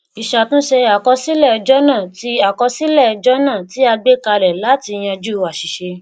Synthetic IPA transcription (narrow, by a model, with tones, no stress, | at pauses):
i˨ʃa˨tũ˦ʃe˧a˨kɔ˧si˦lɛ˦˨˧d͡ʒɔ˦nã˦˨ti˧a˨kɔ˧si˦lɛ˦˨˧d͡ʒɔ˦nãː˦˨ti˨˦a˧ɡ͡be˦ka˧ɾɛ˨la˨˦ti˧j̃ɛ̃˧d͡ʒu˦˨wa˨ʃi˨ʃe˧